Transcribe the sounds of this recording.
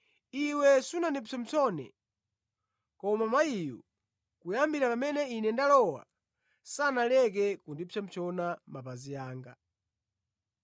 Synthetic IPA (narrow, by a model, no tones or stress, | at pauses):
iwɛsunandisɔm̩t͡ʃɔnɛ̰ | kɔmamaijṵ | kujambiɾapamɛnɛinɛndalɔwa̰ | sanalɛk̬ɛkundipɛm̩t͡ʃʰɔnamapazijaːŋɡa